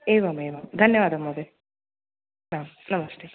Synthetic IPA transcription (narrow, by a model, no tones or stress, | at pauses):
eːʋaːmeːʋaːmd̪ʱɐnjɐʋaːd̪ɐmːoːd̪e | naːm | nɐmɐsʈeː